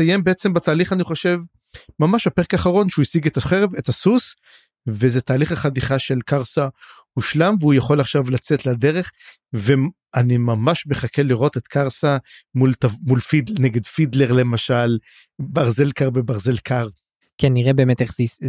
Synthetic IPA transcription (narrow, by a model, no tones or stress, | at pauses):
sajembeet͡sembat̪aːliχaniχo̞ʃev | mamaʃapeʁekaːχaʁo̞nʃeuisiɡet̪aχeʁevet̪asus | vezet̪aːliχaχad̪iχaʃe̞lkaʁsa | huʃlamveujaχo̞laχʃavlat͡set̪ladeʁe̞χ | ve | animamaʃme̞χakʰeliʁo̞t̪et̪kʰaʁsamult̪avmulfidneɡe̞dfid̪leʁle̞maʃal | baʁze̞lkaʁbebaʁzelkʰaʁ | kiniʁebeːmet̪eχz